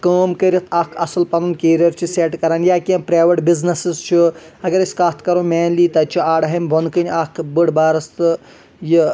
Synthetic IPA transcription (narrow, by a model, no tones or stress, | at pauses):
kəːmkəɾit̪ʰaːkʰɐsɨlpɐnunkeːɾiɐɾt͡ʃʰiseːʈkɐɾaːnjaːkʲipɾaːʋɐʈbiznɐsizt͡ʃʰiɐɡɐɾisʲkat̪ʰkɐɾũːmeːnliːt̪ɐt͡ʃʰiaːɽɦɐmbʱonkɨnʲakʰbɨɽbaːɾɐst̪ɨ | ji